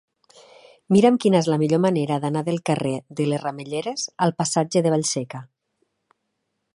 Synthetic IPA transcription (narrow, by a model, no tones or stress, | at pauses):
miɾəmkinaezlamiʎomaneɾaðanaðəlˠkareðəlezrameʎeɾez̥alˠpasad͡ʒeðeβ̞aʎsɛka